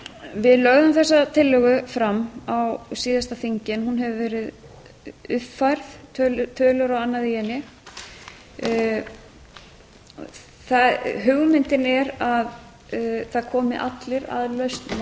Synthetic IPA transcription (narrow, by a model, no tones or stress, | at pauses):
vɪðlœɣðʏmθɛsːat̪ʰɪlːʏɣʏfɾamːawsiːðast̪afiɲcɪnhunɦɛvʏvɛːɾɪð | ʏfajɾð̥t̪ʰœlt̪ʰœːlʏɾawanːaðijɛnːɪ | θaɦʏɣmɪnt̪ɪnɛɾað | θaðkʰɔːmɪʔa̰t̪lɪɾa̰ðlœɥst̪na